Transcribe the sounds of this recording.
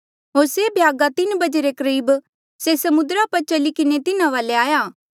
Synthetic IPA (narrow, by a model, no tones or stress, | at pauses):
ɦoːɾsebʱjaːɡat̪ɪnbɐd͡ʒeɾekɐɾiːb | sesɐmʊd̪ɾaːpɐt͡ʃɐlikɪnet̪ɪnãʋaːleaːjaː